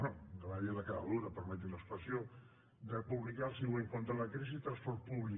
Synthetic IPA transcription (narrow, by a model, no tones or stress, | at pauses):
noɡ̪əβaʎeðəkaða̰luɾəpəɾmɛt̪iləspəsjo | d̪əpuβlikalsiweŋkont̪ɾələkɾizit̪ɾɐ̃nspɔɾt̪̚puβli